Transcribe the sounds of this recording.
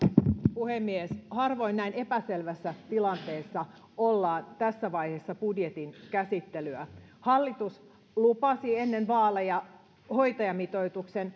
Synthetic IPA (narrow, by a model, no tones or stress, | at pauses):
puhemːieshɑrʋo̞inːæine̞pæselʋæsːæt̪ilɑnt̪e̞ːsːɑ | olːɑːnt̪æsːæʋɑjhesːɑpudjet̪inkæsit̪ːelyæhɑlːit̪us | lupɑsienːenʋɑːlːejɑ | ho̞jt̪ɑjɑmit̪o̞jt̪uksen